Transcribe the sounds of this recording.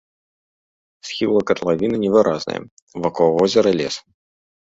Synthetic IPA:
sxʲilˠəkɐt̪lˠavʲinɨnʲɪvɨɾʔaznɨ̰jə̰ | vɐkɔvɔzʲɪɾɐlʲḛs

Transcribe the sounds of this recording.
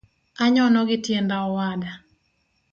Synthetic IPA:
aɲɔnɔɡɪtjendaɔwada

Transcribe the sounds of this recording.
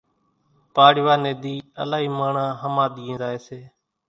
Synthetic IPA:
paːɽɪʋaːneːd̪iːə̰laːɦiːmaːɳaːɦəmaːɗ̪iːnd̪aːɦeːseː

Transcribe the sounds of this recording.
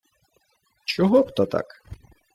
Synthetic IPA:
t͡ʃɔɦɔpt̪ɔt̪a̰k

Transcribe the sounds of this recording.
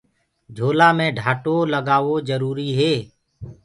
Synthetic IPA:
d͡ʒʱoːlaːmẽːɖʱaːʈoːləɡaːʋoːzəɾuːɾiːɦeː

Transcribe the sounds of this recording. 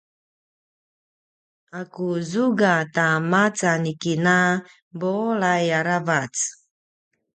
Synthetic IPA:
akuzuɡatamat͡sanikina | bolajaɾavat͡s

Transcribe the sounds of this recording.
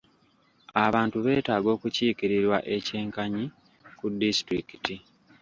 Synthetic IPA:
aβaːntuβe̞ːtaːɡo̞ːkuciːkiɾiɾwaʔe̞ce̞ːŋkaɲi | kudːistɾikiti

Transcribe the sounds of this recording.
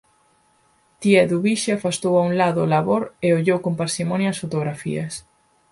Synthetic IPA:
t̪iɛðuβiʃeafast̪owauŋlaðʊlaβoɾeoʎowkompaɾsimɔnjɐɐsfot̪oɣɾafḭɐ̰s

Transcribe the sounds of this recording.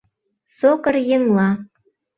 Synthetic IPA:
sokərjĕŋlɑ

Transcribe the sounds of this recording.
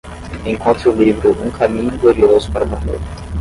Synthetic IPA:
ẽŋkõnt̪ɾulivɾʊʔũkʰamĩɲʊɡoɾiozʊ̥paɾɐmɐ̃nḛɾ

